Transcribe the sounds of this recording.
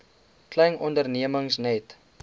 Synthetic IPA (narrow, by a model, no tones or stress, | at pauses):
klɛjnʔɔndərniəməŋsnɛt